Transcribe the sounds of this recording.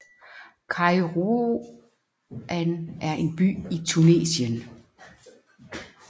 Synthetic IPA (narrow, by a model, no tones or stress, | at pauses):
kʰɑ̈ɪʁo | ænʔæɐʔe̝nb̥y̰ːit͡sʰune̝̰ːɕən